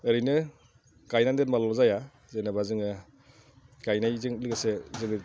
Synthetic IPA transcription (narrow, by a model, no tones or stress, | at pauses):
eɾijnɯ | kajnandetmalɔzaja | zenabazɯŋɯ | kajnajzɯŋlɯɡesezɯŋɯ